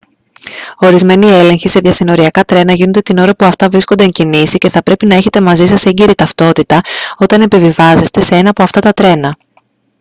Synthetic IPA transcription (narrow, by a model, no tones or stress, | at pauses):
o̞ɾizme̞nie̞le̞ŋçise̞ðʝɐsino̞ɾiɐkɐt̪ɾe̞nɐʝino̞nd̪et̪ino̞ɾɐpuɐft̪ɐvɾiskond̪e̞eɲcinisice̞θɐpɾe̞pinɐe̞çe̞t̪e̞mɐzisɐseɲɟiɾit̪ɐft̪o̞t̪it̪ɐo̞t̪ɐne̞pivivɐze̞st̪e̞se̞e̞nɐːpoɐft̪ɐt̪ɐt̪ɾe̞nɐ